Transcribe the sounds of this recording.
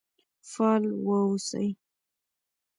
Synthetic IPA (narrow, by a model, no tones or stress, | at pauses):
falwəusə̰j